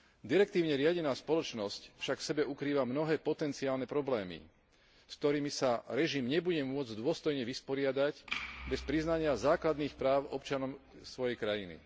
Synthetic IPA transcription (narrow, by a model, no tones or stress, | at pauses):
d̪iɾɛk̚t̪iːʊɲɛɾɪaɟɛnaːspɔlɔt͡ʃnɔscfʃakfsɛbɛukɾiːʋamnɔɦɛːpɔt̪ɛnt͡siaːlnɛpɾɔblɛːmḭ | sk̚t̪ɔɾiːmisaɾɛʒimɲɛbuɟɛmʊɔd͡zd̪ʊɔst̪ɔjɲɛʋispɔɾɪad̪aɟbɛspɾiznaɲɪazaːklad̪niːxpɾaːʊɔp̚t͡ʃanɔmsʋɔjɛjkɾajinḭ